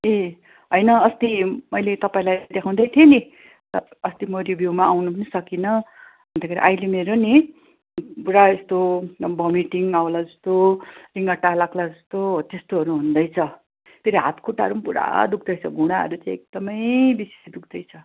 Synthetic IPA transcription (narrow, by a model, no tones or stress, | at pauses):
e | ɦʌjnʌʌst̪imʌjlet̪ʌpaĩlajd̪ekʰãw̃d̪ʌjt̪ʰieni | ʌ | ʌst̪imʌɾibʱjumaawnupnisʌkinʌ | ɦʌnd̪akʰeɾḭʔajlemeɾoni | puɾaest̪obʌmiʈiŋawlad͡zʌst̪oriŋɡʌʈːalaɡlad͡zʌst̪ot̪est̪oɦʌɾuɦund̪ʌjt͡sʰʌ | p̪eɾiɦa̰t̪koʈa̰ɾumpuɾa̰d̪uk̚ʰd̪ʌjt͡sʰʌɡʱuɽ̃aɦʌ̰ɾut͡saĩek̚d̪̥ʌmʌjbise̥sd̪uk̚d̪ʌjt͡sʰʌ